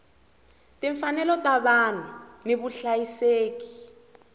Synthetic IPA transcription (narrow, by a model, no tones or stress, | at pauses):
tiɱfanɛlɔtaβanuneβuɬajiseːki̥